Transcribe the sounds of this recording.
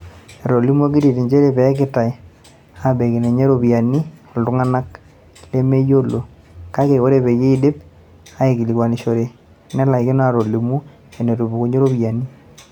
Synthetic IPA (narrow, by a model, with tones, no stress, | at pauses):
e˨ɾo˨li˦mu˦o˦ki˦ɾi˨te˨ɲd͡ʒe˦ɾe˨pɛ˨˦kɪ˨ta˨i˨ | a˨be˨kɪ˨ne˨ɲe˦ɾo˨pja˨ni˦˨ldu˨˦ŋa˦na˦k | le˦me˦jo˦lo˨ | ka˦ke˨ko˦ɾe˦pe˨ji˦dɪ˦p̚ | a˦e˨ki˨li˨kwa˨ni˨ʃo˨ɾe˨ | ne˦la˨i˨kɪ˦n˦a˨ɾo˨li˨mu˦ | e˨ne˨ɾu˨bu˨ko˨ɲe˦ɾo˦pja˨ni˦